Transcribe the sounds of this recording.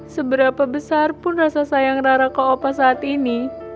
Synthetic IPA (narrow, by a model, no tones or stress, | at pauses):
səbəɾapabəsarpʊnrasasajaŋraɾakaopasaːt̪ini